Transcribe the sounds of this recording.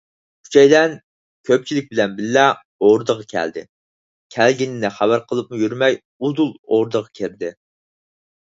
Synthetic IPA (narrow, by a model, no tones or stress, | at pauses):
kʰy̥t͡ʃʰɛjd̪ɛn | kʲʰøp̚t͡ʃʰilɪk̚ʲbɪlɛnbɪllɛ | oɾd̪əʁɑkʲʰæ̰ld̪ɪ̰ | kʲʰælɡʲinɪnɪχæbæɾqʰəlˠɨp̚mujyɾmɛj | ud̪ulˠo̰ɾd̪əʁɑkʲʰeɾd̪ɪ